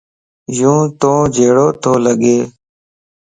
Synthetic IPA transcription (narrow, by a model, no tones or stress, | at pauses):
jũːt̪õːd͡ʒeːɽoːt̪ʰoːləɠeː